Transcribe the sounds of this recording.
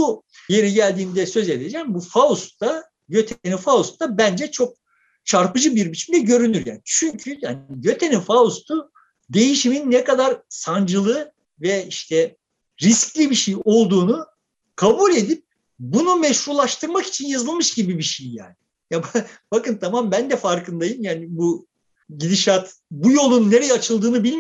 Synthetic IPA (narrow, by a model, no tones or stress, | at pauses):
u | je̞ɾiɟælʲd̪iːmd̪ɛsø̞ze̞d̪ed͡ʒɛmbufaust̪ːa | jø̞t̪ʰenifaust̪ːabænd͡ʒɛt͡ʃʰo̞k̚ | t͡ʃʰaɾpɯd͡ʒɯbiɾbit͡ʃʰimd̪ɛɟø̞ɾynyɾja̰ːnt͡ʃʰyɲcʰyjanɪjø̞t̪ʰenifaust̪ʰu | d̪e̞jiʃiminːɛkad̪aɾsand͡ʒɯlˠɯ | vɛiʃt̪ʰɛ | ɾisclʲibiʃejo̞lˠd̪uːnu | kʰabulʲe̞d̪ip̚ | bunumɛʃhuɾlˠaʃt̪ʰɯɾmaki̥t͡ʃʰinjazɯlˠmɯʃɟibibiʃejja̰ːnɪ | jabb̥akɯnt̪ʰamambænd̪ɛfaɾkɯnd̪ajɯmjaːnibu | ɟid̪iʃat̪ | bujo̞lˠunːeɾejɛat͡ʃʰɯlˠd̪ɯːnɯbilʲm